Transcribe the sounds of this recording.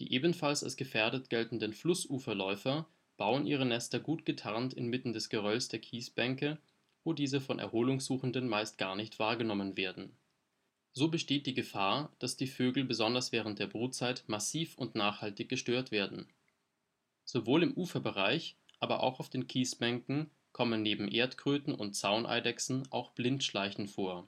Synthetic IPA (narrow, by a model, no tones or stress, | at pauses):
d̥ḭːʔeːbn̩falsa̰lsɡ̥əfɛɐdətɡ̥ɛltn̩dənflʊsʔuːfɐlɔʏfɐ | b̥aʊənʔiːʁənɛstɐɡuːtɡ̥ətʰaʁntɪnmɪtn̩dɛsɡ̥əʁœlsd̥eːɐkʰiːsb̥ɛŋkə | voːdiːzəfɔnʔɛ̰ɐhoːlʊŋsz̥uːxn̩dənmaɪstɡ̥aːɐnɪçtv̥aːɐɡənɔmənveːɐdn̩ | zoːbəʃteːt̚d̥iːɡəfaːɐd̥asd̥iːføːɡl̩bəzɔndɐsv̥ɛːʁ̞ənt̚d̥eːɐbʁuːtt͡saɪtmasiːfʊntnaːχhaltɪçɡ̥əʃtøːɐtv̥eːɐdn̩ | z̥ovoːlɪmʔuːfɐbəʁaɪçʔaːbɐ̰ʔa̰ʊxaʊfd̥eːnkʰiːsb̥ɛŋkŋ̩ | kʰɔmənːeːbm̩ʔeːɐtkʁ̥øːtn̩ʔʊ̰nt̚t͡saʊnʔa̰ɪdɛksn̩ʔa̰ʊxb̥lɪntʃlaɪçn̩foːɐ